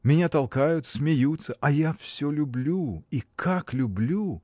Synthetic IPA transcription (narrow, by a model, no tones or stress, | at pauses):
mʲɪnʲat̪ɐlˠkajʊt̪smʲɪjut̪səʔɐjafsʲolʲʊblʲuikʰaklʲʊblʲu